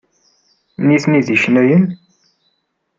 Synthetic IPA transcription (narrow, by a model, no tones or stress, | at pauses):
niθniðiçnæjən